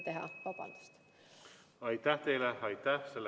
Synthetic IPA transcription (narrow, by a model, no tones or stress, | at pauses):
t̪eɦɑ̰vɑb̥ɑ̰nd̪̥u̥st̪ | ɑjt̪ːæht̪ejleɑjt̪ːæhselː